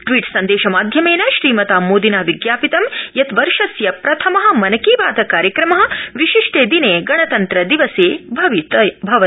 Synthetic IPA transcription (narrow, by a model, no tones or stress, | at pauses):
ʈʋiːʈsɐnd̪eːʃɐmaːd̪ʱjɐmeːnɐʃɾiːmɐt̪aːmoːd̪inaːʋiɡjaːpit̪ɐmjɐt̪ʋɐɾʃɐsjɐpɾɐt̪ʰɐmɐɦɐ̆mɐnɐkiːʋaːd̪ɐkaːɾjɐkɾɐmɐɦɐ̆ʋiʃiʂʈeːd̪ineːɡɐɽ̃ɐt̪ɐnt̪ɾɐd̪iʋɐseːbʱɐʋibʱɐʋɐ